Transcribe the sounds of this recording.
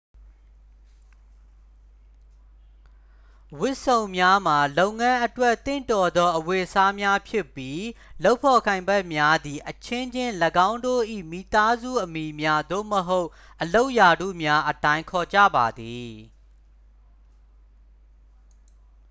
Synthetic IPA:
wʊ˦ʔsõ˨ʊ̃mja˦m̥a˨lõ˨ʊ̃ŋã˦ʔətwɛ˦ʔt̪ɪ̰̃˦˨ntɔ˨d̪ɔ˦ʔəwe˨ʔsa˦mja˦pʰjɪ˦˨pːji˦lo˦ʊpʰɔ˨kʰã˨ɪ̃mbɛ˦˨ʔmja˦d̪i˨ʔət͡ɕʰɪ̃˦ɲd͡ʑɪ̃˦˨ləɡã˦ʊ̃ndo̰˦˨ʔḭ˦˨mḭ˦˨t̪a˦zṵ˦˨ʔəmi˨mja˦d̪o̰˦˨məɦo˦ʊʔ | ʔəlo˦ʊʔja˨dṵ˦˨mja˦ʔətã˨ɪ̃ŋkʰɔ˨d͡ʑä̰˦˨ba˨d̪i˨

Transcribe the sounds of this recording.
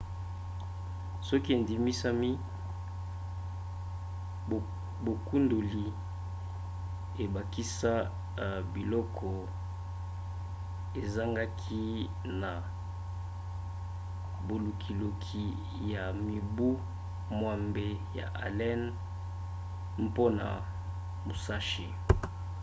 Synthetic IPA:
sɔ˦ki˦e˨ndi˨mi˦sa˦mi˦˨ | bo˨ku˦ndo˨li˨ | e˨ba˨ki˦sa˦ | bi˨lɔ˦kʰɔ˨ | e˨za˦ŋɡa˦kʰi˦ | na˨ | bo˨lu˨kʰi˨lo˨kʰi˨ | ja˨mi˨bu˦ | mwa˨mbe˨ja̰˨ʔa̰˨lɛ˦n | mpo˦na̰˨ | mo˨sa˦ʃi˨

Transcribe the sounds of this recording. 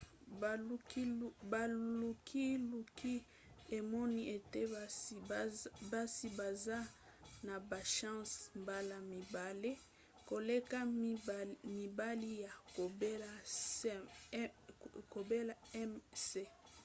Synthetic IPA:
ba˨u˨kʰi˦lu˨ki˦ | e˨mɔ˦ni˦ʔe˨te˦ | ba˦si˦ba˨za˦ | na˨ba˨ʃɑ̃˦smba˦la˨mi˨ba˨le˦ | ko˨le˦ka˦ | mi˨ba˦li˦ja˨o˨bla˦ | ko˨be˦la˨ɛ˦mse˦

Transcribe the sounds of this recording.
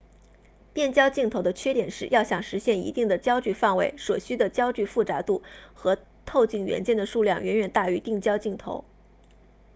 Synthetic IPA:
pjɛ˥˩nt͡ɕjɑ˥ʊt͡ɕi˥˩ŋt̪ʰo˧˥d̪ə˧t͡ɕʰɥɛ˥t̪jɛ˨˩nʂɻ̩˥˧jɑ˥˩ʊɕjɑ˨˩ŋʂɻ̩˧˥ɕjɛ˥˩nḭ˧˥t̪i˥˩ŋd̪ə˩t͡ɕjɑ˥ʊt͡ɕy˥˧fa˥˩ŋwe˧˥ɪʂwɔ˨˩ɕy˥d̪ə˨t͡ɕjɑ˥ʊt͡ɕy˥˧fu˥˩t͡sa˧˥t̪u˥˩xɤ˧˥ | t̪ʰo˥˧ʊt͡ɕi˥˩ŋɥɛ̰˧˥nt͡ɕjɛ˥˩nd̪ə˩ʂu˥˧ljɑ˥˩ŋɥʔɛ̰˧˥nɥɛ˨˩nt̪a˥˩y˧˥t̪i˥˩ŋt͡ɕjɑ˥ʊt͡ɕi˥˩ŋt̪ʰo̰˧˥ʊ

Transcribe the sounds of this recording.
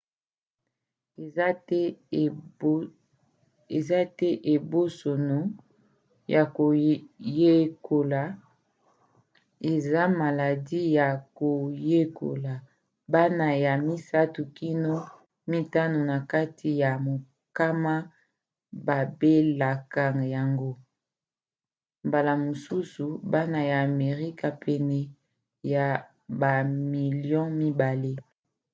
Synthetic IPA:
e˨za˦tɛ˦ʔe˨bo˦so˨no˨ | jʔa˨ko˨je˦ko˨la˨ | e˨za˦ma˨la˨di˦ja˨ko˨je˦ko̰˨la˨ | ba˦na˨ja˨mi˦sa˦tu˨ki˦no˦ | mi˦ta˦no˨na˨ka˦tʰi˨ja˨mo˨ | ka˦ma˦ | ba˨be˦la˨ka˦ŋ˨ja˨ŋɡo˦ | mba˨la˨mo˨su˦su˨ba˦na˨jaː˨me˨ʁi˦ka˨pʰɛ˨nɛ˨ | ja˨ | ba˨mi˨ljɔ̃˦mi˦ba˨le˦

